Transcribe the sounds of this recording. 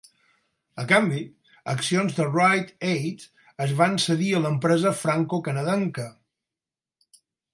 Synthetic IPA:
əkambi | ə̰ksionzðərajt̪ejt̪ | əzβansəðiələmpɾɛzəfɾaŋkokənəðɛŋkə

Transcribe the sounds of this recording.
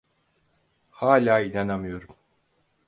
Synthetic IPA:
haːlʲaːinanamɯjo̞ɾum

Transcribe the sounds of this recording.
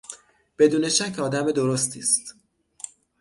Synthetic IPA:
b̥e̞d̪uːne̞ʃæcʰɒːd̪æme̞d̪o̞ɾost̪ʰḭːst̪

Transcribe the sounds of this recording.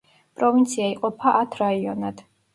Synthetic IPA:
pʼɾɔvint̪sʰiaiqʼɔpʰaʔat̪ʰɾaiɔnad̪̥

